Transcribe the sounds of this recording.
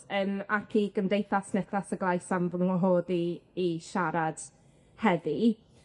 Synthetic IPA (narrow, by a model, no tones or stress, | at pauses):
ənakʰiɡəmdejθasnɛθasəɡlˠajsamvənuɦoːðiːʃaɾad̥ | hɛði